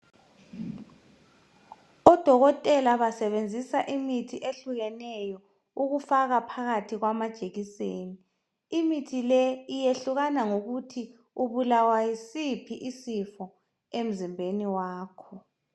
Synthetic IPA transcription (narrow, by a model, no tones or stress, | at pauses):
ɔd̥ʱɔɣɔtʼɛlaβasɛβend͡zʱisaʔimitʰiʔeɬuɣɛnɛjɔ | uɣufaɣapʰaɣatʰiɣwamad̥ʒ̥ʱeɣiseːni | imitʰilɛijeɬuɣanaŋoɣutʰi | uβulawajisipʰiʔisifɔ | em̩zimbʱeniwaːkʰɔ